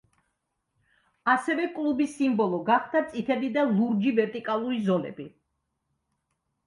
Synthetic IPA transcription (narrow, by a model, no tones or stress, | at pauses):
asɛvɛkʼlˠubisimbɔlˠɔɡaχd̪at̪sʼit̪ʰɛd̪id̪alˠuɾd͡ʒivɛɾt̪ʼikʼalˠuɾizɔlɛ̰bi